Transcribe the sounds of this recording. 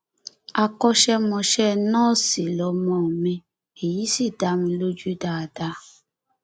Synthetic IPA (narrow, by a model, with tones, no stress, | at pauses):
a˧kɔ˧ʃɛ˧mɔ̃˧ʃɛ˦nɔ̃ː˦˨si˨lɔ˨˦mɔ̃˨mɛ̃˧ | e˨ji˨˦si˦˨da˨˦mĩ˧lo˦d͡ʒu˦da˨da˧˦